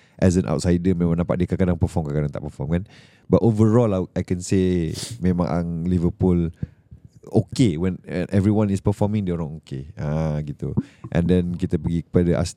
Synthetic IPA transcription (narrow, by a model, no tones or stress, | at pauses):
ʔɛzə̃nʔa̰wt̚sajdəmẽmãŋdapa̰ʔ̚diəkakadãŋpəfɔmkakadaŋt̪a̰ʔpəfɔmkan | batovəɹɔlaajkɛ̃nsemẽmã̰ŋʔa̰ŋlivəpul | okewɛ̃nwɛ̰nʔɛvɾiwãnispəfɔmĩŋdioɾãŋokeãɡit̪uʔɛ̰̃ndɛ̃nkit̪əpəɡikəpadəʔa̰s